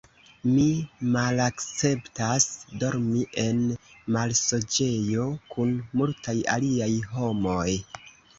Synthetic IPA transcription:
mimalakt͡se̞ptasdo̞ɾmiʔe̞nmalso̞d͡ʒe̞jo̞kunmultaja̰liajɦo̞mo̞j

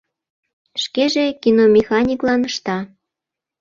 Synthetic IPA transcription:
ʃkeʒekinomʲexɑnʲiklɑnəʃt̪ɑ

